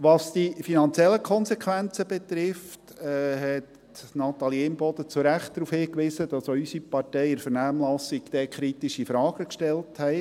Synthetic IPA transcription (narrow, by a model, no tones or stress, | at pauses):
ʋɑsd̥ifinɑnt͡sjɛlːəkʰɔnsekʰʋænt͡səbet̪ɾɪft | ɛɦɛt | nɑt̪ɑljeːnbɔd̪ət͡suɾæχt̚dɾufhɪːkʋɪsəd̥ɑsoysipɑɾtɛɪɪɾfəɾnæːmlɑsiɡ̥d̥̪ɛkʰɾitiʃifɾɑːɡəkʃtɛlthɛɪ